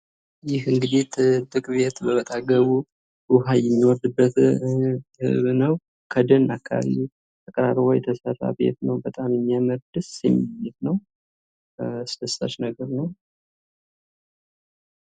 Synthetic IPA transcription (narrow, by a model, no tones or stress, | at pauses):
jɪhɨŋɡɨd̪it̪ʰɨd̪ɨkʼbe̞t̪bəβət̪ʼaɡəβu | uɦajɛmːiwɔɾd̪ɨbːət̪ | hɨ̰βnəw | kʰəd̪ənakʰːaβa̰βḭ | t̪ʰəkʼəɾaɾβojɛt̪ʰəsəra̰bḛt̪nəwbət̪ʼamjɛmːiaməɾd̪ɨsjɛ̰mːijɪt̪nəw | sɨd̪əsːa̰t͡ʃnəɡəɾnəw